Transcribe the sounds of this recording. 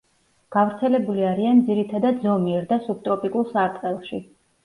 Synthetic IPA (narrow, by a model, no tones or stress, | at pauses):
ɡ̥avɾt̪sʰɛlɛbuliaɾiand̪ziɾit̪ʰad̪ad̪zɔmiɛɾd̪asup̚t̪ʼɾɔpʼikʼulˠsaɾt̪ʼqʼɛlˠʃi